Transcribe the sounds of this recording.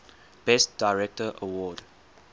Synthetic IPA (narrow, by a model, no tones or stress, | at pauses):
b̥ɛstd̥aɪɹɛk̚təʔəwɔd